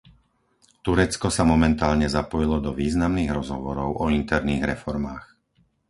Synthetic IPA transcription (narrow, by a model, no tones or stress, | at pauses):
t̪uɾɛt͡skɔsamɔmɛnt̪aːlɲɛzapɔjilɔd̪ɔʋiːznamniːɣɾɔzɦɔʋɔɾɔʊʔɔint̪ɛɾniːɣɾɛfɔɾmaːx